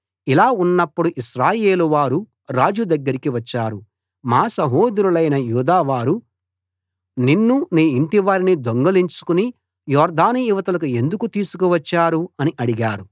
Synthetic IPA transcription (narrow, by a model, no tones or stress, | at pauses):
ilaːunːɐpːuɽuʔiʃɾaːje̞ːluʋaːɾu | ɾaːd͡ʒud̪ɐɡːɐɾikiʋɐt͡ʃːaːɾu | maːsɐɦoːd̪ɾulɐjnɐjuːd̪aːʋaːɾu | ninːuniːiɳʈiʋaːɾinid̪oŋɡɐliɲt͡ʃu̥kuni | jɔːɾd̪ʱaːnijiʋɐt̪ɐlɐk̬ue̞nd̪ukut̪iːsukuʋɐt͡ʃːaːɾuɐniʔɐɽiɡaːɾu